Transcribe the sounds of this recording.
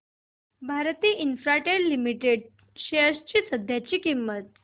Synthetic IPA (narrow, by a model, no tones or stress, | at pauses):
bʱaɾt̪iːʔinfɾaʈeɽlimiʈeɽ | ɕeəst͡ɕiːsəd̪ʱjat͡ɕiːkimːət̪̚